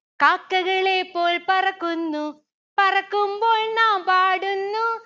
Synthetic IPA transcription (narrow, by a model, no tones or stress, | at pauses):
kaːkːɐɣɐɭeːpːoːlpɐrɐkːunːu | pɐrɐkːɯumboːlnaːmpaːɽunːu